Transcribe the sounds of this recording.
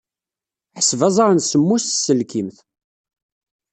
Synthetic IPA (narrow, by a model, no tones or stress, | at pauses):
ħəsvɑzˤɑɾˤənsəmːust̪sːəlkimθ